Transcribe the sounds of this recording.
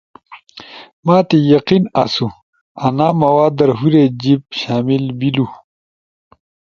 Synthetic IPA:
maːt̪ejɐqinɐsu | ɐnaːmɐwaːd̪ɐɾɦuɾed͡ʑib̚ɕaːmilbilu

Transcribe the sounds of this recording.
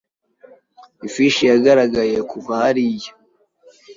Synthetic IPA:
ifiʃijaɡaɾaɡaje̞kukahaɾijo

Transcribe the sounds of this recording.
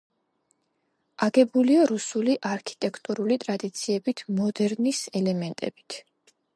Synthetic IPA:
aɡɛbuliaɾusuliʔaɾkʰi̥t̪ʼɛkʰt̪ʼuɾulit̪ʼɾad̪it̪sʰiɛbit̪ʰmɔd̪ɛɾnisɛlɛmɛnt̪ʼɛ̰bit̪ʰ

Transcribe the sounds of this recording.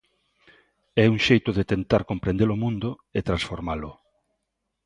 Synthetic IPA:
ɛuŋʃejt̪ʊðet̪ent̪aɾkompɾẽnd̪elomũnd̪ʊ | et̪ɾãnsfoɾmalʊ

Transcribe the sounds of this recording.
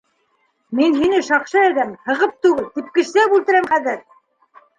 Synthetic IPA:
minɦinɘʃɑqʃɤæðæmhɤ̆ʁɤp̚t̪ʉɡɘlt̪ip̚kɘ̆ʃsæbʉlt̪ɘ̆ɾæmχæðɘɾ

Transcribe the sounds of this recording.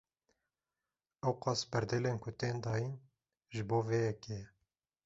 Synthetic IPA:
ɛwqɑːsbɛɾd̪eleːnkʰʊt̪eːnd̪ɑːjin | ʒɨboːveːjɛkejɛ

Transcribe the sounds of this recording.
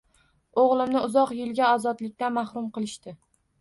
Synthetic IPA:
oʁlˠɪmnɪʊzɒqjɪlˠɡʲaɒzɒd̪lɪk̚ʲt̪anmahɾʊmqɨlˠɪʃt̪ɪ

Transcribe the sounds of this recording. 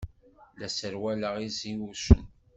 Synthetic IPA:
læsəɾwæləʁiziwusə̰n

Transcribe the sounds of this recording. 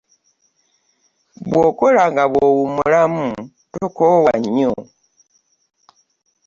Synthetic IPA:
βwoːkolaŋɡaβwowumulamu | tokowaɲːo̰

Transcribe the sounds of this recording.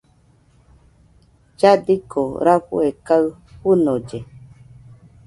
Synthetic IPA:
d͡ʒad̪ikʰoɾaɸṵekaɨ | ɸunõd͡ʒe

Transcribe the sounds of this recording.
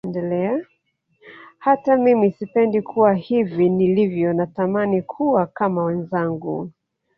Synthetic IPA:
ndɛlɛa | hatamimisipɛndikʰuwahivinilivjɔnatamanikʰuwakamawɛnzaŋɡṵ

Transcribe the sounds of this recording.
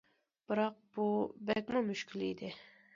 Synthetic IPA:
b̥ɨɾɑq̚b̥ubɛkʲmʊmyʃkʲilḭd̪ɪ

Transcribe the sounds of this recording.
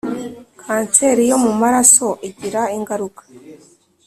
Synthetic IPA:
kʰaːnse̞ɾijo̞mumaɾaso̞ʔiɟiɾaiŋɡaɾukḁ

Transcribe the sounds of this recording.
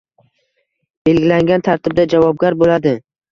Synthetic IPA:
b̥e̞lɡʲɪlaŋɡʲant̪ʰaɾt̪ʰɪb̚d̪ad͡ʒavɒb̚ɡʲaɾbolad̪ɪ

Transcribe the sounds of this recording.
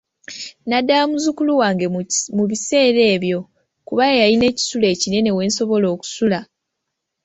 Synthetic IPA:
nadːamuzukuluwaːŋɡemuβise̞ːɾe̞ːβjo̞ | kuβajejaline̞ːci̥sule̞ːcine̞ne̞we̞ːnso̞βo̞lo̞ːku̥sula

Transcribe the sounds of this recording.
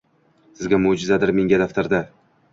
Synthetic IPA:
sɪzɡʲamʊd͡ʒɪzad̪ɪɾme̞ŋɡʲad̪aft̪aɾd̪a

